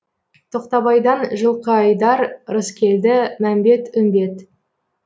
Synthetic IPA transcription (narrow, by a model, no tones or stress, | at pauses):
t̪ʰo̞qt̪ɑβɑjd̪ɑnʒəlˠqəɑjd̪ɑɾɾəskʲʰe̞ld̪ɪmæmbe̞t̪ʏnd̪e̞t̪